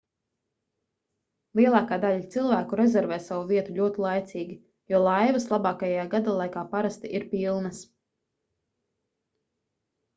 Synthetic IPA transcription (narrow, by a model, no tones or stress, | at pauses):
lˠiɛlˠɑːkaːd̪aʎat̪silˠvæːkuɾɛzɛɾvɛːsavuviɛt̪uʎʲuɔt̪ilˠajt̪siːɡʲi | juɔlˠajvɐslˠabɑːkajajaːɡad̪aːlˠajkaːpaɾast̪iʔiɾpilˠnɐs